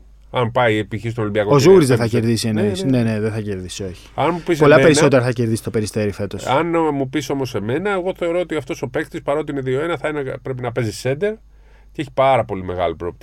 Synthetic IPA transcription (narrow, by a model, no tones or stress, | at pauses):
ɐmpɐiepiçist̪onoimbiɐkozuɣɾizðeθɐceɾðisieneisneneðeθɐceɾðiso̞çi̥ɐnmupispo̞lɐpe̞ɾiso̞t̪eɾɐθɐceɾðisi̥t̪o̞pe̞ɾist̪e̞ɾife̞t̪o̞sɐnmupiso̞mo̞se̞me̞nɐe̞ɣo̞θe̞o̞ɾo̞ot̪iɐft̪o̞so̞pe̞kt̪ispɐɾo̞t̪iineðio̞e̞nɐθɐenɐpɾe̞pinɐpe̞zise̞nd̪e̞ɾ | ceeçi̥pɐɾɐpo̞lime̞ɣɐlipɾoop̚t̪i